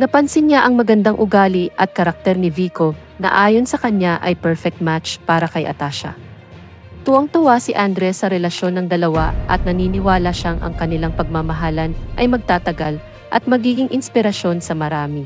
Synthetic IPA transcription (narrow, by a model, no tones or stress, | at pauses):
nɐpɐnsɪnɲaʔɐŋmɐɡɐnd̪aŋʔʊɡaːliʔɐt̪̚kɐɾɐk̚t̪ɛɾnɪviːko̞ | nɐ̰ʔaːjo̞nsɐkɐnaʔɐjpɛɹfɛk̚t̪̚mat̪t͡ʃpaːɾɐkɐjʔɐ̰t̪aʃɐ̰ | t̪ʊʔɐŋt̪ʊwasɪʔand̪ɾɛsːɐɾɛlɐʃo̞nːɐŋd̪ɐlɐwaʔɐ̰t̪̚nɐniːnɪwaːlɐʃaŋʔɐ̰ŋkɐnɪlaŋpɐɡ̚mamɐɦaːlɐnʔɐjmɐɡ̚t̪aːt̪ɐɡal | ʔɐt̪̚mɐɡiːɡɪŋʔɪnspɪɾɐʃo̞nsɐmɐɾaːmɪ